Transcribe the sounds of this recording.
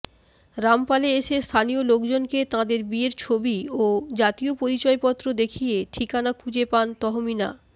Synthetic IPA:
ɾampaleeʃest̪ʰaniolokd͡ʑonket̪ãd̪eɾbieɾt͡ɕʰobiod͡ʑat̪iopoɾit͡ɕɔepɔt̪ːɾod̪ekʰieʈʰikanakʰũd͡ʑepant̪ɔɦomina̰

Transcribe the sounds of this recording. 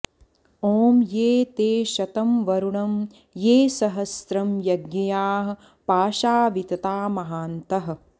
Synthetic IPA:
oːmjeːt̪eːʃɐt̪ɐmʋɐɾuɳɐm | jeːsɐɦɐsɾɐmjɐɡjɐjaːɦɐ̆ | paːʃaːʋit̪ɐt̪aːmɐɦaːnt̪ɐɦɐ̆

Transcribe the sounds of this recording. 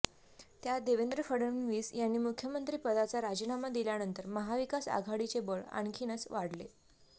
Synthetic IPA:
t̪jad̪eʋend̪ɾəfəɽənʋiːsjanːiːmukʰjəmənt̪ɾiːpəd̪at͡saɾad͡ʑinamad̪iljanənt̪əɾməɦaʋikasa̰ɡʱaɽit͡sebəɭa̰ɳkʰiːnət͡sʋaɽ̤le

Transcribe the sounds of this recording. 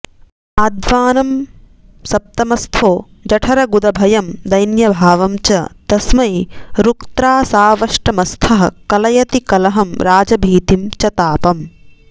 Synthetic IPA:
aːd̪ʋaːnɐm | sɐp̚t̪ɐmɐst̪ʰoː | d͡ʒɐʈʰɐɾɐɡud̪ɐbʱɐjɐmd̪ɐjnjɐbʱaːʋɐmt͡ʃɐd̪ɐsmɐjɾukt̪ɾaːsaːʋɐʂʈɐmɐst̪ʰɐɦɐ̆kɐlɐjɐt̪ikɐlɐɦɐmɾaːd͡ʒɐbʱiːt̪imt͡ʃɐt̪aːpɐm

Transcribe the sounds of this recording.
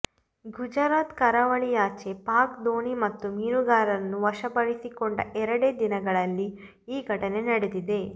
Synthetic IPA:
ɡʱud͡ʒɐɾaːt̪kɐɾɐʋɐɭijaːt͡ʃe̞paːkd̪oːɳimɐt̪ːumiːɾuɡaːɾɐnːuʋɐʃɐpɐɾisikoɳɖɐʔɛɾɐɽe̞ːd̪inɐɡɐɭɐlːi | iːɡʱɐʈɐne̞nɐɽed̪id̪e̞

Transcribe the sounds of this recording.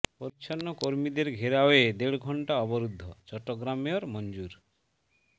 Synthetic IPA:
poɾit͡ɕʰonːokoɾmid̪eɾɡʱeɾaoed̪eɭɡʱɔɳʈaɔboɾud̪ʱːot͡ɕɔʈːoɡɾamioɾmond͡ʑuɾ

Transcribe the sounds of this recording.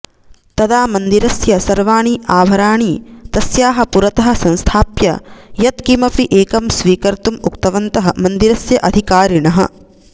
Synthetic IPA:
t̪ɐd̪aːmɐnd̪iɾɐsjɐsɐɾʋaːɳiʔaːbʱɐɾaːɳiːt̪ɐsjaːɦɐ̆puɾɐt̪ɐɦɐ̆sɐ̃nst̪ʰaːpjɐ̰jɐt̪kimɐpiʔeːkɐmsʋiːkɐɾt̪umuk̚t̪ɐʋɐnt̪ɐɦɐmɐnd̪iɾɐsjɐʔɐd̪ʱikaːɾiɳɐɦɐ̰̆

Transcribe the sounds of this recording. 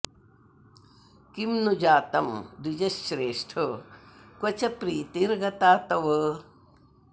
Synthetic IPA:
kimnud͡ʒaːt̪ɐmd̪id͡ʒɐʃːɾeːʂʈʰokwɐt͡ʃɐpɾiːt̪iɾɡɐt̪aːt̪ɐʋ

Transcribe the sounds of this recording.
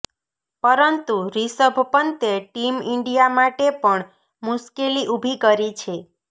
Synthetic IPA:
pəɾənt̪uɾisəbʱəpənt̪eʈimɪɳɖijamaʈepəɳ | muskeliʔubʱikəɾit͡ʃʰe

